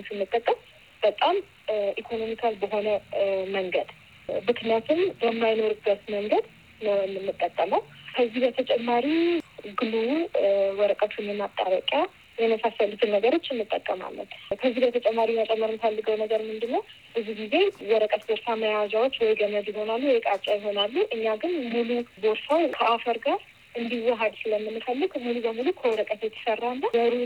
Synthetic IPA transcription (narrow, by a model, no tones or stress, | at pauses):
sɨmːɨt̪ʼːəkʼːəm | b̥ət̪ʼam | ʔikʰo̞no̞mikʰalbəɦo̞nəməŋɡəd̪ | mɨknjat̪ʰumbəmːajno̞ɾɨbːət̪məŋɡəd̪ | nənɨmːɨt̪ʼːəkʼːəməwkʰəzːibət̪ʰət͡ʃʼɛmːaɾiɡɨlu | wɔɾəkʼət̪ʰunjɛmat̪ʼːaβəkʼja | jɛməsasəlɨt̪ʰɨnnəɡəɾo̞t͡ʃːɪmːɨt̪ʼːəkʼːəma̰lːə̰t̪kʰəzːibət̪ʰət͡ʃʼɛmːaɾimat͡ʃʼɛmːəɾmɨfəlːɨɡəwnəɡəɾmɨnd̪ɨnːəw | bəziɡize̞wɔɾəkʼət̪boɾsaməjawazawot͡ʃːwɔjɡəməd̪jɪɦo̞nalːuwjɛkʼat͡ʃʼːajɪɦo̞nalːuʔɨɲːaɡɨnmuluboɾsawkʰəafəɾɡaɾ | ʔɨnd̪iwɔɦəd̪sɨləmːɨnːɨfəlːɨɡmulubəmulukʰəwɔɾəkʼət̪jɛt̪ʰə̥sərːanːajəɾu